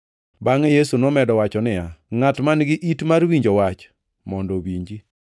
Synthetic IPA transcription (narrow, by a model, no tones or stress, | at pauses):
baŋejesunɔmɛdɔwat͡ʃɔnɪjaŋatmanɡɪʔitmarwiɲd͡ʒɔwat͡ʃ | mɔndɔwiɲd͡ʒi